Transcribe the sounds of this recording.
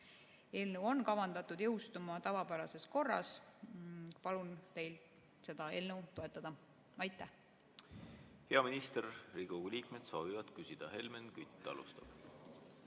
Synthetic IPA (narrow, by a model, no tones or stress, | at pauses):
e̞ːlnewo̞nkɑvɑnd̪ɑt̪ːˑud̪jɤ̞wst̪umɑt̪ɑvɑpæɾɑse̞sko̞rːɑ̰s | pɑlunt̪e̞jlt̪ | se̞d̪̥ɑe̞lnewt̪o̞e̞t̪ːˑɑd̪ɑ | ɑjt̪ːˑæh | he̞ɑminist̪erriɡ̥uliːk̚med̪̥so̞ːvivɑd̪̥kysid̪̥ɑhe̞lmenkyt̪ˑːɑ̰lṵst̪ɑ̰b̥